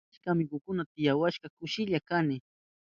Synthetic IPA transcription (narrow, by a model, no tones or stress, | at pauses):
kamɪkʊkʊnat̪ɪjawaʃkakʊʃɪʎakanɪ